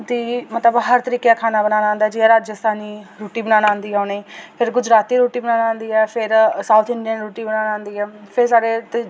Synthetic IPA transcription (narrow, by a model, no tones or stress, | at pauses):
d̪iːmət̪ləbɦəɾt̪əɾiːkeakʰaːnaːbənãːnãːnd̪aːd͡ʒiɛɾaːd͡ʒəst̪ʰaːniːɾoːʈiːbənaːnãːnd̪iːaneːpʰɪɾɡʊd͡ʒɾaːt̪iːɾoːʈiːbənaːnãːnd̪iːɛːpʰɪɾsaːʊt̪ʰɪ̃ɳɖijənːɾoːʈiːbənaːnãːnd̪iːɛːpʰɪɾsaːɾet̪ː